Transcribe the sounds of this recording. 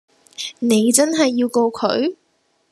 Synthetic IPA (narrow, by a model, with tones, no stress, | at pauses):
ne˨˧jt͡sɐ˥nɦɐ˨jːiː˧wko˧wkʰɵ̰˨˧˥ɥ